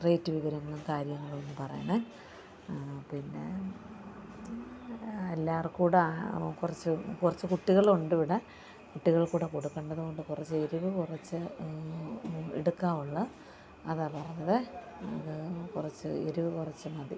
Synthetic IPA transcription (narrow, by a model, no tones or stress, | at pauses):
rejːtːɨʋiʋɐɾɐŋːɐɭumkaːɾjɐŋːɐɭuenːɨpɐrɐ̰jɐɳɨ | pinːe̞ | ɐlːaːrkuːɽekurɐt͡ɕːɨkurɐt͡ɕːɨkuʈːiɣɐɭuɳɖɨʋiɽɐ | kuʈːiɣɐɭkuːɽeko̞ɽukːeɳɖɐðɨɣo̞ɳɖɨkurɐt͡ɕːe̞ɾuʋɨkurɐt͡ɕːɨ | ḛɽukːaːmuɭːɐ | ɐðaːpɐrɐɲːɐðɨɐ̰ðɨkurɐt͡ɕːɨ̰eɾuʋɨkurɐt͡ɕːɨmɐði